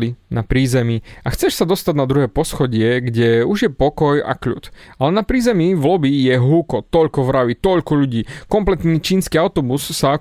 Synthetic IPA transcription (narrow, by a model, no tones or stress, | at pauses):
linapɾiːzɛmiaxt͡sɛʃsad̪ɔst̪aɟnad̪ɾuɦɛːpɔsxɔɟɪɛɡɟɛuʒjɛpɔkɔja̰kʎṵt̪alɛnapɾiːzɛmivlɔbijɛɦuːkɔt̪ɔʎkɔʋɾaʋit̪ɔʎkɔʎuɟiːkɔmplɛt̪nit͡ʃiːnskiːaʊt̪ɔbusːa